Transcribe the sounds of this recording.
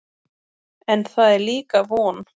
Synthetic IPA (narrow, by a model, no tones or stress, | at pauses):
ɛnθaðɛɾliːkavɔːn